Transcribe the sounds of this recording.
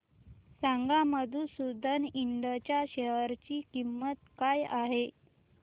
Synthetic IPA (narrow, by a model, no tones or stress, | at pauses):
saŋɡaməd̪ʱuːsud̪ʱəniɳɖət͡ɕjaɕeɦəɾt͡ɕiːkimːət̪kajaɦe